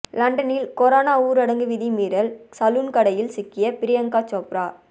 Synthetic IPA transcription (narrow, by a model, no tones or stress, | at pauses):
lɐɳɖɐnɪlkɔɾaːnaːuːɾɐɽɐŋɡɯʋɪðimiːɾɐlsɐluːnkɐɽɐjɪlsɪkːɪjɐpɪɾɪjɐŋkaːt͡ʃoːpɾaː